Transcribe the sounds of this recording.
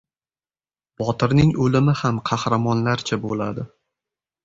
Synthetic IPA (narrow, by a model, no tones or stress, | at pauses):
b̥ɒt̪ʰɪɾnɪŋolɪmɪhamqʰɑhɾamɒnlaɾt͡ʃʰabola̰d̪ɪ